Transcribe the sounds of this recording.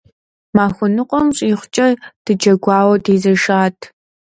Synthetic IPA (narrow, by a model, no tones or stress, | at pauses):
maːxʷʊnɨqʷʼɔmɕʼiχʷt͡ʃʼɐd̥ɨd͡ʒɐɡʷɑːwɐdiːzɐʃaːtʰ